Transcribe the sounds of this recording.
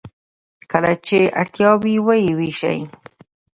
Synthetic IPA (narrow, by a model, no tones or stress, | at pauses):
kəlat͡ʃea̰ɽt̪jɑwiwajiwiʃa̰j